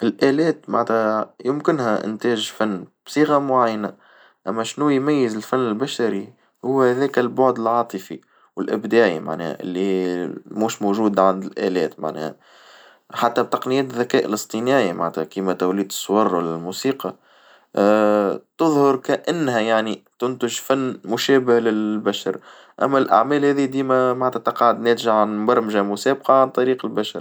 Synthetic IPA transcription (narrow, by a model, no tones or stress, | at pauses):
ʔɪlʔæːlɛːt̪ma̰ʕnt̪hæjʊmkɪnhæʔɪ̰nt̪æːʒfanːb̥sˤiːɣɑmʊʕajːnæ | ʔæmːæʃnujmæjːɪəzɪlfanːɪlbæʃaɾi | hʊːhæðɛːkælbʊʕd̪əlʕɑːt̪ˤəfi | wɪlʔɪbd̪æːʕḭma̰ʕnɛ̰ːhʔɪ̰lːimuːʃmoʒuːd̪ʕand̪ɪlʔæːlɛːt̪ma̰ʕnɛ̰ːhæ | ħat̪ːæb̚t̪ɑqnɪjɛːt̪ðːækæːʔɪ̰lɨst̪ˤinæːʔimʔa̰ʕnt̪hækiːmæt̪æwliːd̪ə̥sˤːwɑɾˤwalælmusiːqɑ | t̪ɨðˤhʊɾˤkæʔɪnːɦæjaʕnit̪ʊnt̪ʊʒfænːmʊʃɛːbɪhlɪbæʃɑ̰ɾˤ | ʔæ̰mːælʔa̰ʕmæːlhæːðid̪iːmæmaʕnt̪hæt̪ɑqɑːʕʊd̪nɛːt̪ɪʒaʕanbɑɾˤmʒæmʊsæːb̚qɑʕant̪ˤɑɾiːqəlbæʃɑ̰ɾˤ